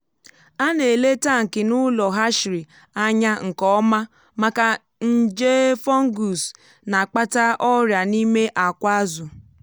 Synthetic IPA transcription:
a˦ne˨le˦ta˦˨ŋ̩˨kɪ˨nʊ˦lɔ˨ɦa˦ʃɾi˨ | a˦ɲa˦ŋ̩˨kɔ˦ma˦ | ma˦ka˨ | n̩˦d͡ʒe˦fɔ˦ŋ̩˦ɡu˨s | na˨k͡pa˦ta˦ʔɔ˦ɾja˨ni˦me˦ʔa˨kʷa˦zʊ˨

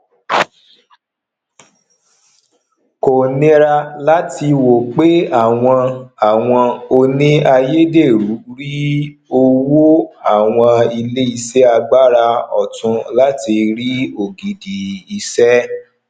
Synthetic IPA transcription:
ko˨nĩ˦ɾa˧la˦ti˧wo˨k͡pe˦a˦˨w̃ɔ̃˧a˨w̃ɔ̃˧o˧nĩ˦a˧je˦de˦˨ɾu˨˦ɾi˦ | o˧wo˦a˦˨w̃ɔ̃˧i˧le˦i˧sɛ˦a˧ɡ͡ba˦ɾa˧ɔ̰˨tũ˧la˦ti˧ɾi˦o˨ɡi˨di˨i˧sɛ˦

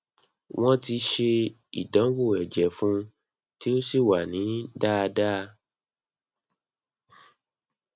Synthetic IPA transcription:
wʔɔ̃˦ti˧ʃe˧ | ḭ˨dã˨˦wo˦˨ɛ˨d͡ʒɛ˨˦fũ˦ | ti˦o˦si˦˨wa˨nĩ˨˦da˦˧da˦˧

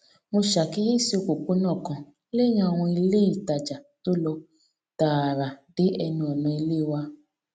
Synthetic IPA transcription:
mo˧ʃa˨ki˨˦ji˦˨si˧o˧ko˨k͡po˨˦nãː˦˨kã˨ | le˦j̃ã˧˦˨w̃ɔ̃˧i˧le˦i˦˨ta˨d͡ʒa˨to˦lɔ˧ | ta˨ɾa˨de˨˦ɛ˧nũ˧ɛ˨nɔ̃˨˧i˧le˦˨wa˧

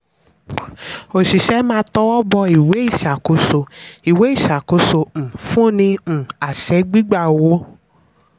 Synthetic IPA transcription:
o˨ʃi˨ʃɛ˧˦mãː˦tɔ˧˦wɔ˦bɔ˧i˨we˨˦i˦˨ʃa˨ko˨˦so˧i˨we˨˦i˦˨ʃa˨ko˧˦sõ˧˨fũ˦nĩ˧˨a˨ʃɛ˨˧˦ɡ͡bi˦ɡ͡ba˦˨wo˨˦

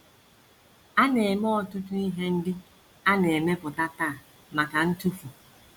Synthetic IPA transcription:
a˦ne˨e˨mɔ˦ɔ˨tʊ˦tʊ˦i˦ɦe˦n̩˦dɪ˦ | a˦ne˨me˦pʊ˨ta˦ta˦˨a˨ | ma˨ka˨n̩˦tu˦fu˨

